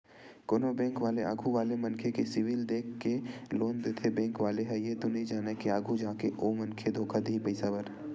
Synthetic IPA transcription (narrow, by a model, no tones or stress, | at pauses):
konobɛ̃ːŋkʋaːlea̰ːɡʱuʋaːlemɐnkʰekesɪʋɪld̪eːkʰːeloːnd̪et̪ʰebɛ̃ːŋkʋaːleɦɛjed̪ʊnid͡ʒaːnekeaːɡʱud͡ʒaːkeʔoːmɐ̃nkʰed̪ʱoːkʰad̪iipəɪsabɐɾ